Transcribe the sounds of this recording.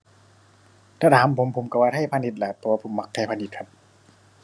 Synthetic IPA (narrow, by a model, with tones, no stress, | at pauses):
t̪ʰaː˧˥t̪ʰaː˨˦mpʰo˨˦mpʰo˨˩˦mka˧˩waː˧˩t̪ʰa˥˩jpʰaː˧ni˧˩t̪̚laː˨˩t̪ʰɛː˧˩waː˧pʰo˨˦mːa˧k̚t̪ʰa˧˩pa˧ni˧˩t̪̚kʰa˧˥p̚